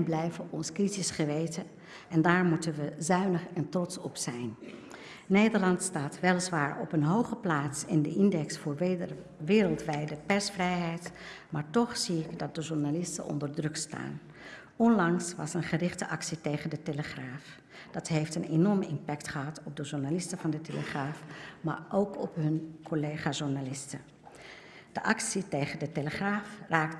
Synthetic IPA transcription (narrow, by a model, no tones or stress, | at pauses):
nblɛjvənɔnskritisχəʋejtə | ɛndaːɹmutənʋəzœɥnəχɛntrɔtsɔpsɛjn | nejdəɹlɑntstaːtʋɛlˠzʋaːɹɔ̰pənɦowχəplaːtsɪndəʔɪndɛksfʊːɹ | ʋɪːɾəlˠtʋɛjdəpɛɹsfrɛjɦɛjt | maːɹtɔχsiɪɡdɑt̚dəʒuɹnalɪstə̰nʔɔ̰ndəɹdrɵksta̰ːn | ɔnlɑŋsʋɑ̰sənχərɪχtəʔɑksitejχəndəteləχraːf | d̥ɑtɦejftənenɔɹmɪmpɛktχəɦɑtɔp̚dəʒuɹnalɪstəvɑndəteləχraːfma̰ːɹʔowkɔpɦɵnkɔlejχaːʒuɹnalɪstə | d̥əʔɑksitejχəndəteləχraːfraːkt